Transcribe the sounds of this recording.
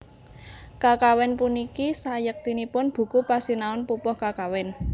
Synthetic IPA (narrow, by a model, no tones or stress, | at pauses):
kakawɛnpunikisajək̚t̪inipʊnb̥ṳkupasinaʊnpupɔhkakawɛn